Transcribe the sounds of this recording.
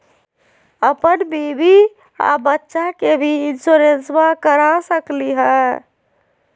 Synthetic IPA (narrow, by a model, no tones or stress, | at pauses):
əpənbibi | a̰bətːʃakebʱiɪnsuɾenswakəɾasəkliɦɛ